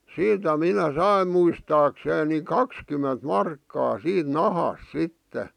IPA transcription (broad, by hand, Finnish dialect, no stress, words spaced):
siːtæ minæ sɑim muistɑːkseːn ni kɑkskymːent mɑrkːɑː siːt nɑhɑs sitːe